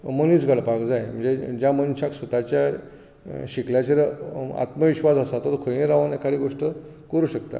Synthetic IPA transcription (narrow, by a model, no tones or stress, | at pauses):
məniːt͡sɡəɽpakd͡zajm̤əɳd͡zed͡ʑjamənɕaksʋət̪at͡ɕja | ɕikljat͡ɕeɾa̰t̪məʋiɕʋad͡zəsat̪ət̪kʰojẽɾaʋənekʰaɾiɡoʂʈə | kəɾuːɕək̚t̪a̰